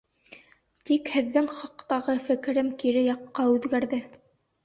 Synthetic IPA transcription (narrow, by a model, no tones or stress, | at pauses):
t̪ikhɘ̆ðːɘŋχɑqt̪ɑʁɤfɘ̆kɘ̆ɾɘmkiɾɘjɑqːɑʉðɡæɾðɘ